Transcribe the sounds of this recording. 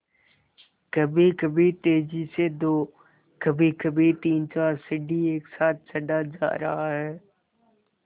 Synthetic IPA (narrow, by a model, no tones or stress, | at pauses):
kɐbʱikɐbʱit̪eːd͡ʒised̪oː | kɐbʱikɐbʱit̪iːnt͡ʃaːɾsɪɖieːksaːt̪̚ʰsɐɖad͡ʒa̰ːɾɐ̰ɦaɦɛː